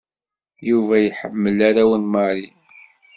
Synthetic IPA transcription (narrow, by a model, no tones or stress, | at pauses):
juvæjħəmːəlaɾæwənməɾi